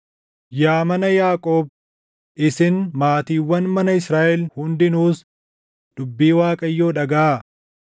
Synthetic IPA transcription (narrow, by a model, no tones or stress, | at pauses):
jaːmɐnɐjaːkʼoːb̚ | ʔɪsɪnmaːt̪iːwːɐnmɐnɐɪsɾaːʔɛlhʊnd̪ɪnuːs | d̪̥ʊbːiːwaːkʼɐjːoːᶑɐɡɐa